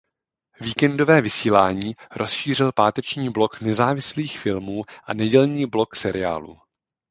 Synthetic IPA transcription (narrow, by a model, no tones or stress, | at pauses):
viːkɛndo̞vɛːvɪsiːlaːɲiːɾʔo̞sʃiːr̝ɪlpaːt̪ɛt͡ʃɲiːblo̞knɛzaːvɪsliːxfɪlmuːʔanɛɟɛlɲiːblo̞ksɛɾɪa̰ːlṵ